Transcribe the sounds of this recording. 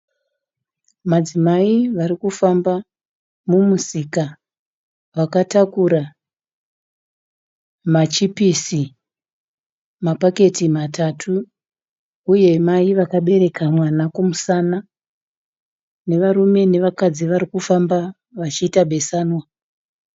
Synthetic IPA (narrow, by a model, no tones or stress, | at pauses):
mad͡zimaiʋaɾikufamba | mumusika | ʋakatakuɾa | mat͡ʃipisi | mapake̞timatatʰu | je̞maiʋakaɓe̞ɾe̞kamwanakumusana | ne̞ʋaɾume̞ne̞ʋakad͡ziʋaɾikufamba | ʋat͡ʃiːtaɓʱe̞saːnwa